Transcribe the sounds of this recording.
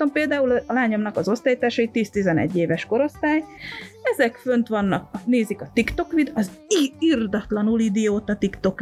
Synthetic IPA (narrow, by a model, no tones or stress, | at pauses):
ompeːld̪aːullaːɲo̞mnɒkɒzo̞st̪aːjit̪aːʃɒit̪ːiːst̪izɛnɛ̰ɟːeːvɛʃko̞ɾo̞st̪aːjɛzɛkfø̞nt̪ʋɒnːɒkneːzikɒt̪ikt̪o̞kʋid̪ɒz | iird̪ɒt̪lɒnulid̪ijoːt̪ɒt̪ikt̪o̞k